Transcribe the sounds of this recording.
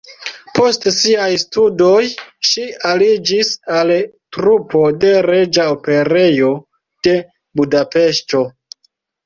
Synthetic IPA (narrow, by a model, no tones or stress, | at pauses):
po̞stsiajstudo̞jʃialid͡ʒisal | tɾupo̞de̞ɾe̞d͡ʒaope̞ɾe̞jo̞ | d̥e̞ | budape̞ʃto̞